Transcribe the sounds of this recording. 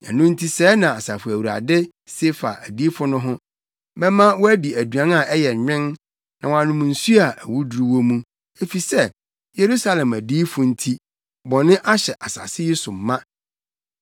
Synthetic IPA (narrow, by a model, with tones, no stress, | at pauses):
ɛ̰˨nʊ̃˦n̩˦tʰi˦sɛː˨˦nã˨a˨sa˨fʊ˨æ˨wu˨ɾa̰˨dɪ˦ | se˦fa̰˨ʔæ˨di˦fʊ˦nʊ̃˦ɦʊ̃˦ | mɛ̃˦mã˦wɔ˦æ˦bi˨æ˨dɥã˦na˨ʔɛ˦jɛ˨ɲᶣɪ̃˦n | nã˨w̃ã˨nʊ̃˨m̃˨n̩˨su˦a˨ʔæ˨wu˦du˨˦ɾu˨wo˦mũ˦ | e˨fi˨sɛ˦ | je˨ɾu˦sa˦lɛ̃˨mæ˨diː˦fʊ̃˨n̩˦tʰi˦ | bɔ˨nɪ̃˦ʔa˦ɕɛ˨ʔa˨sa̰˨sɪ˦jɪ˦sʊ˨m̩ː˨ã˦